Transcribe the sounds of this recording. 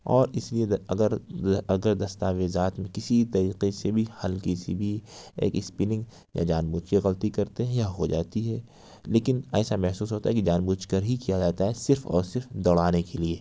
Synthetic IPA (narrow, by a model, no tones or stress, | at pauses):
ɔːɾɪslieɐɡəɾɐɡəɾd̪ɐst̪aːʋɪzaːt̪mẽkɪsit̪ɐɾiːqesebʱihɐlkisibʱiḛːkɪspɪnɪ̃ŋɡ | ja̰d͡ʒaːnbuːt͡ʃeɣɐlt̪ikɐɾt̪eɦɛ̃jaɦod͡ʒaːt̪iɦɛː | leːkɪnɛːsamɛɦsuːs̬ɦoːt̪aɦɛkid͡ʒaːnbuːt͡ʃkəɾɦikijad͡ʒaːt̪aɦɛsɪɾfɔ̰ːɾsɪɾfd̪ɔːɽaːnekelieː